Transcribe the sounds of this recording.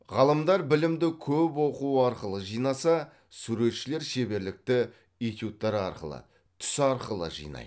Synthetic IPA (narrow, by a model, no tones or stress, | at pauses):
ʁɑlˠəmd̪ɑɾbɪlɪmd̪ɪkʲʰɵpwo̞quəɑɾqəlˠəʒijnɑsɑ | suɾe̞t̪ʃɪle̞ɾʃe̞be̞ɾlɪk̚t̪ɪ | ijt̪jut̪ːɑɾɑ̰ɾqə̰lˠə̰ | t̪ʰʏ̥sɑɾqəlˠə̰ʒḭjnɑ̰j